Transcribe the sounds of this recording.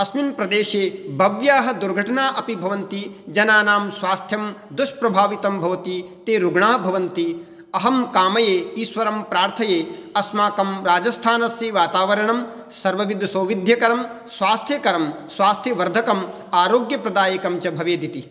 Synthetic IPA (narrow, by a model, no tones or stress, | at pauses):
ɐsminpɾɐd̪eːʃeːbʱɐʋjaːɦɐ̆d̪uɾɡʱɐʈɐnaːʔɐpibʱɐʋɐnt̪id͡ʒɐnaːnaːmsʋaːst̪ʰjɐmd̪uʃpɾɐbʱaːʋit̪ɐmbʱɐʋɐt̪it̪eːɾuɡɳaːbʱɐʋɐnt̪i | ɐɦɐmkaːmɐjeːiːsʋɐɾɐmpɾaːɾt̪ʰɐjeːɐsmaːkɐmɾaːd͡ʒɐst̪ʰaːnɐsɾiʋaːt̪aːʋɐɾɐɳɐm | sɐɾʋɐʋid̪ʱsɐːʋid̪ʱjɐkɐɾɐm | sʋaːst̪ʰjɐkɐɾɐmsʋaːst̪ʰjɐʋɐɾd̪ʱɐkɐm | aːɾoːɡjɐpɾɐd̪aːjɐkɐmt͡ʃɐbʱɐʋeːd̪it̪i